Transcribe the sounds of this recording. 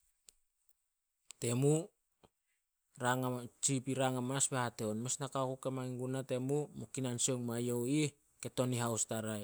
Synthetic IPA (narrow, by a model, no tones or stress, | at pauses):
te̞mu | ɾaŋat͡ʃipiɾaŋamasbehateonmesnakakukemajŋɡunate̞mumukinansoŋmajowi | ke̞to̞niɦawstaɾaj